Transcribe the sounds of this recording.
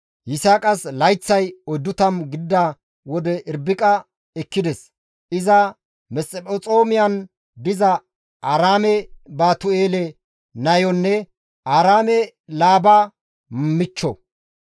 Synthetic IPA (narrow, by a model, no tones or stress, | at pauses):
jɪsaːkʼɐslɐjt͡sːɐjɔjd̪ːʊt̪ɐmɡɪd̪ːɐ | wɔd̪ɛʔɪɾbɪkʼɐ | ɛkːɪd̪ɛs | ʔɪzɐ | mɛsʼɛpʼɔt͡sʼoːmɪjɐn | d̪ɪzɐ | ɐɾaːmɛbaːt̪ʊeːlɛ | nɐjɔnːɛ | ʔaːɾaːmɛ | laːbɐ | mɪt͡ʃːɔ̰